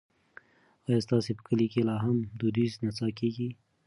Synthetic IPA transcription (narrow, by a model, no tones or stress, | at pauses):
ɑjɑst̪ɑsepə̥kəlikelɑɦamd̪ud̪iznat͡sɑkeɡi